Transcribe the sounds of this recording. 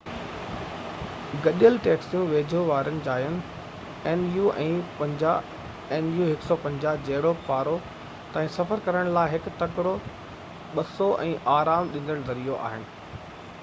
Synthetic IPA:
ɡɐɗɪjəlʈɛːksijũʋeːd͡ʑʱoʋaːɾənɪ̆d͡ʑaːjʊn | ɛːnjuːʔɛ̃ːpɐ̃ɲd͡ʑa | eːnjuɦɪksɔpɐ̃ɲd͡ʑaːd͡ʑɐɦɪɽofaːɾo | t̪aːĩsɐfəɾkɐɾəɽ̃laːɪɦɪkt̪ɐkɽo | ɓɐsoʔɛ̃ːʔaːɾaːmɗĩnd̪əɭzɐɾijoʔa̰ːɦɪnɪ̆

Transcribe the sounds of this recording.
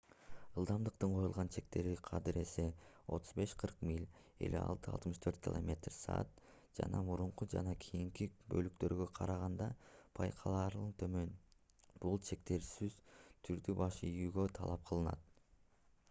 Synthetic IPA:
ɯlˠd̪ɑmd̪ɯqt̪ɯɴqʰo̞julˠʁɑnt͡ʃʰe̞k̚t̪e̞ɾiqʰɑd̪ɨɾe̞se̞ | o̞̰t̪ʰu̥zbe̞ʃqʰɯɾqmʲilʲ | e̞̰lʲʔyɑ̰lˠt̪ʰɯɑ̰lˠt̪mɯʃt̪ʰøɾt̪̚kʲɪlˠo̰mʲe̞t̪rsɑ̰ɑ̰t̪ | d͡ʒɑ̰nɑmuɾuɴqud͡ʒɑnɑkʲʰijiŋkibø̞lykt̪ø̞ɾɡø̞qʰɑɾɑʁɑnd̪ɑpʰɑjqʰɑlˠɑːɾlˠɯnt̪ʰø̞mø̞n | b̥ulˠt͡ʃʰe̞k̚t̪e̞ɾsyzt̪ʰyɾd̪ybɑʃjuːɡøt̪ʰɑlˠɑp̚qʰɯlˠɯnɑ̰t̪̚

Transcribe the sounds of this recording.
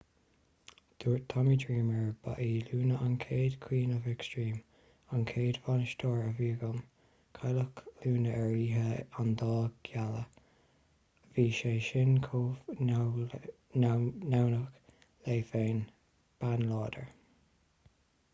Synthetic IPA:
d̪̥uːɹt̪ʰːɔmidɹiːməɹb̥a̰ʔiːluːnəʔankʰeːd̪kʰwiːnɔvɛkstɹiːm | ankʰeːd̪vanəʃtʰɔːɹəviːɡam | kʰaləkluːnəʔəɹiːɦəand̪ɑːɡalə | viːʃeːʃɪnkʰoːv | nawnək | leːfeːn | b̥anlɑːd̪ə̰ɹ

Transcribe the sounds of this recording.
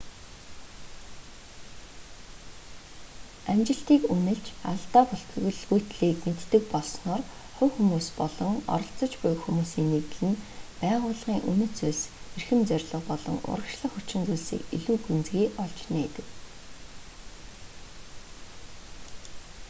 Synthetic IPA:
amt͡ɕɪ̆ɬt̪iːkunɘ̆ɬt͡ɕa̰ɮt̪aːpʊɬt̪̆ɣɵ̆ɮɣujʰt̪ɮiːkmet̪ːɘ̆k̚pɔɮsnɔːr | χʊwxumuːspɔɮɞ̆ŋɔ̰ɾɞ̆ɬt͡sɞ̆t͡ɕpʊjkxumuːsiːŋːett̪ɘ̆ɮɘ̆npæːʁʊːɮʁiːŋʔunɘ̆t͡sʊɮserxɘ̆mt͡sœrʲɮə̆qpɔɮɞ̆ŋʊ̰ɾə̆kt͡ɕɮə̆χxʊt͡ɕɪ̆nt͡suːɮsḭːkiɮuːɡunt͡sɡiːɔɮt͡ɕneːt̪ɘ̆k

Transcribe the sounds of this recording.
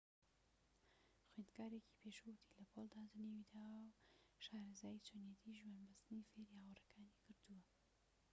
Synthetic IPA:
xwend̪kaːɾeki̥pʰeʃuwɨt̪ʰilɐbolˠd̪aːt̪ɨniwid̪aːwawʃaːɾɐzaːjit͡sʰonjet̪ʰiʒɥenbɐst̪ɨnifeɾjaɣʊrɐkʰaːnikɨɾd̪uwɐ

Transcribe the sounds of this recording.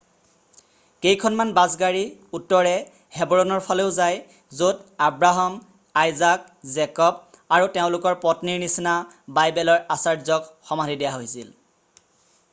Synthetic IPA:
kejkʰɔnmanbazɡaɹiutːɔɹɛ | hɛbɔɹɔnɔɹpʰɔleʊzaj | zotabɹaɦɔm | ajzak | zɛkɔp̚ | aɹuteʊ̃lʊkɔɹpɔtniɹnisina | bajbɛlɔɹasaɹzɔkxɔmadidijaɦojsil

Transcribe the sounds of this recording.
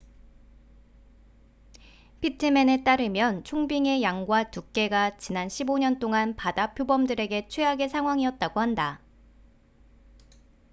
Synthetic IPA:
pʰitʰɯme̞ne̞t͈aɾɯmjʌnt͡ɕʰoŋbiŋe̞jaŋɡwatuk̚k͈e̞ɡat͡ɕinanɕʰiboɲʌnt͈oŋanpadapʰjobʌmdɯɾe̞ɡe̞t͡ɕʰweaɡe̞sʰaŋɦwaŋiʌt̚t͈aɡohanda

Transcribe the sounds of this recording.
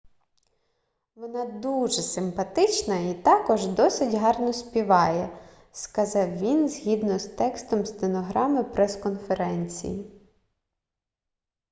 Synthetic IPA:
ʋɔnɑd̪uʒɛsɪmpɐt̪ɪt͡ʃnɐit̪ɑkɔʒd̪ɔsʲɪtʲɦɑrnɔspʲiʋɑjɛ | skɐzɑwʋʲinzɦʲid̪nɔzt̪ɛkst̪ɔmst̪enɔɦɾɑmɪpɾɛskɔnfeɾɛnʲt͡sʲḭji

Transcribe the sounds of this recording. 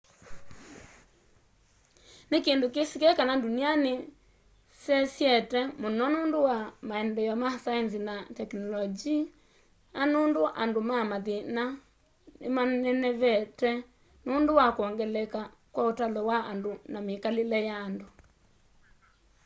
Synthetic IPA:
nekendokesikɛkananduniane | sɛsjɛtɛmonɔnondowamaɛndɛjɔmasajans̬inatɛknɔlɔd͡ʒi | anondoʔandomamaðena | nemanɛnɛβɛtɛ | nondowakwɔŋɡɛlɛka | kwaotalɔwaandonamekalelɛjaːndo

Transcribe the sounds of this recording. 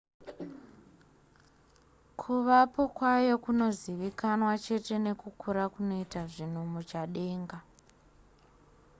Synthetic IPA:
kʰuʋapo̞kwajo̞kuno̞ziʋikanwat͡ʃe̞te̞ne̞kukʰuɾakuno̞itaʐin̤umut͡ʃaɗe̞ːŋɡa

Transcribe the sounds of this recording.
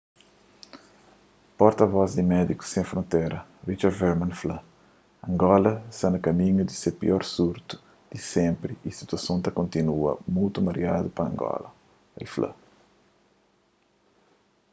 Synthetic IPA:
pɔɾt̪ɐvɔzd̪imɛd̪iku̥sẽɐfɾõnt̪ɛjɾɐrit͡ʃaɾd̪vɛɾmɐ̃nfɐlɐ | ɐ̃ŋɡɔlɐst̪anɐkɐmĩɲud̪isepiɔɾsuɾt̪u̥ | d̪̥isẽmpɾiisu̥t̪uɐsũnt̪ɐkõnt̪inuɐ̰mult̪umɐɾjad̪upɐɐ̰̃ŋɡɔ̰lɐ̰ | ɛ̰lflɐ̰

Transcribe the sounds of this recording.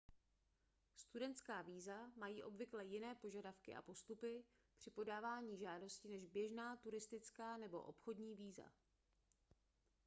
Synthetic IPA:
st̪udɛnt̪skaːviːzamajiːʔo̞bvɪklɛjɪnɛːpo̞ʒadafkɪ̰ʔa̰po̞st̪upɪ | pr̝̥ɪpo̞daːvaːɲiːʒaːdo̞scɪnɛʒbjɛʒnaːt̪uɾɪst̪ɪt͡skaːnɛbo̞̰ʔo̞̰pxo̞dɲiːviːza̰

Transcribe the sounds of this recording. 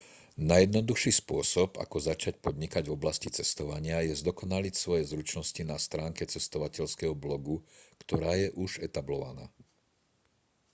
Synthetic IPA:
najɛd̪nɔd̪uxʃiːspʊɔsɔpa̰kɔzat͡ʃac̚pɔd̪ɲikaɟvɔblascit͡sɛst̪ɔʋaɲɪajɛzd̪ɔkɔnalicsʋɔjɛzɾut͡ʃnɔscinast̪ɾaːŋkɛt͡sɛst̪ɔʋacɛʎskɛɦɔblɔɡukt̪ɔɾaːjɛʔuʒɛt̪ablɔʋa̰na̰ː

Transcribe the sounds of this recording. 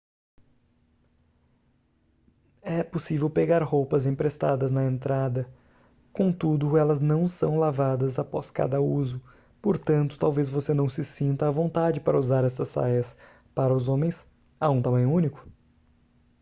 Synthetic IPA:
ɛposivewpeɡaɾhowpɐzẽpɾest̪a̰d̪ɐznɐẽnt̪ɾad̪ɐ | kõt̪ud̪ʊɛlɐznɐ̃w̃sɐ̃w̃lavad̪ɐzapɔ̰ska̰d̪ɐuzʊ | poɾt̪ɐ̃nt̪ʊ̥t̪awvezvosenɐ̃w̃sɪsĩnt̪ɐːvõnt̪ad͡ʒɪpaɾɐuzaɾɛsɐsa̰jɐs | paɾɐʊzõmẽj̃s | aũt̪amɐ̃ɲ̃ʊũnikʊ̥

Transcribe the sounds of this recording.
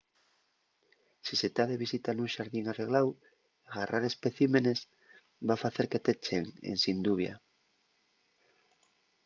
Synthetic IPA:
siset̪aðeβisit̪anũŋʃaɾðiŋareɣlaw | eɣaraɾespeθimenes | bafaθeɾket̪et͡ʃeŋḛŋsind̪uβ̞ja̰

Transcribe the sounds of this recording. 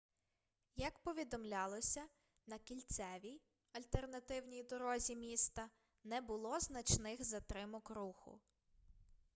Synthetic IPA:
jɐkpɔʋʲid̪ɔmlʲɑlˠɔsʲɐ | nɐkʲilʲt̪sɛʋʲij | ɐlʲt̪e̞rnɐt̪ɪwnʲijd̪ɔɾɔzʲimʲist̪ɐ | nɛbʊlˠɔznɐt͡ʃnɪxzɐt̪ɾɪmɔkɾuxʊ̰

